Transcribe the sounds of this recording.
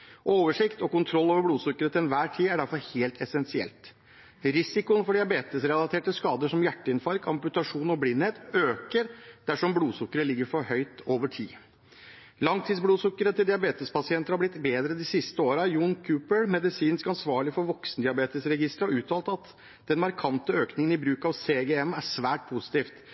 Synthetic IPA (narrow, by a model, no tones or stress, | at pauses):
ʔoːʋəʂɪkt̪ɔkʊnt̪ʰɾɔlːoːʋəɾbɽuːsʊkːəɾət̪ɛnʋæːʈʰiːæɖæɾfɔɾheːlt̪ʰɛsɛnsɪɛ̰lt̪ | ɾɪsɪkʊənfɔɖɪɑbeːt̪əsɾɛlɑt̪ʰeːʈəskɑːd̪əʂɔmjæʈːəɪnfɑɾkʰɑmpʉt̪ɑʂuːnɔblɪnːheːt̪øːkəɾd̪̥æʂɔmbluːsʊkːəɾəlɪɡːəɾfɔɾhœʏt̪oːʋəʈʰḭː | lɑŋt̪ʰiːd̪sbluːsʊkːəɾət̪ʰɪld̪ɪɑbeːt̪əspʰɑsɪɛnt̪əɾhɑɾblɪt̪ːbeːd̪ɾəd̪ɪsɪst̪əoːɾɑjuːnkʰʉːpəɭmɛd̪ɪsiːnskɑnsʋɑːɭɪfɔɾʋɔksnəd̪ɪɑbeːt̪əsɾɛɡɪst̪ɾəhɑɾʉːt̪ʰɑːlt̪ɑt̪ | d̪̥ɛnmɑɾkʰɑnt̪əøːknɪŋənɪbɾʉːkɑʋseːɡɛɛmæʂʋæːʈ̚pʰʊsɪ̥t̪iːft̪